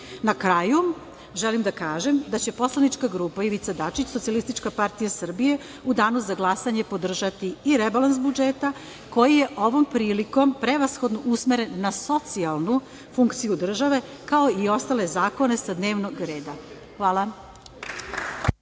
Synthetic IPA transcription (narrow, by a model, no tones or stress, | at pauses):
nakɾaju | ʒelimd̪akaːʒe̞md̪at͡ɕe̞po̞slˠanit͡ʃkaɡɾuːpaiʋit̪sad̪at͡ʃit͡ɕsot̪sialist̪it͡ʃkapaɾt̪ijasr̩bije̞ | ud̪aːnuzaɡlˠasaɲe̞po̞d̪r̩ʒat̪iːɾebalansbud͡ʒeːt̪a | ko̞jije̞ʔo̞ʋo̞mpɾiːliko̞mpɾe̞ʋasxo̞d̪noʔusmeɾe̞nːaso̞t̪sialˠnu | fuŋkt̪sijud̪r̩ʒaʋe̞ | kao̞io̞st̪ale̞zaːko̞ne̞sad̪neːʋnoɡɾe̞ːd̪a | xʋaːlˠa